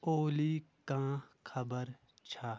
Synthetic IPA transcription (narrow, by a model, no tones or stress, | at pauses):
oːliːkãːkʰɐbəɾ | t͡ʃʰa